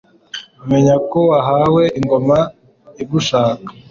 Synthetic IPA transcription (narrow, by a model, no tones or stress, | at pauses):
me̞ɲakoaɦawe̞iŋɡo̞ma | ibuʃaːkḁ